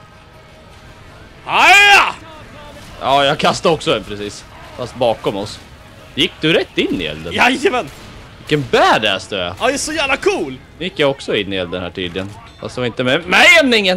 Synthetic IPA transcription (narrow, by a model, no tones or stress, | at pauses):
a | jɑːjɑɡkʰast̪əɔksɔd̪ɛnpʰɾɛsiːs | fast̪̚bɑːkɔmɔs | jɪkːd̪ɵɾɛt̪ːɪnːɪ̰ɛ̰ld̪ə̰najəmɛn | vɪkːənbæːɖɛ̰st̪œɛad̪ɛæsɔjæːvlakʰuːlnjɪkːjaɔksɔɪnːɪɛld̪ənhæ̰ːʈʰyːd̪lɪɡən | fast̪ɛvaɾɪnt̪əmɛmɛɛmnɪŋən